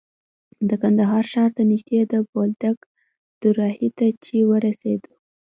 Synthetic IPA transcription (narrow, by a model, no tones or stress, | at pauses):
d̪əkand̪aɦɑɾʃɑɾd̪ənɪʒd̪ed̪əbold̪aɡ | d̪̥uɾɑhit̪at͡ʃewəɾased̪u̥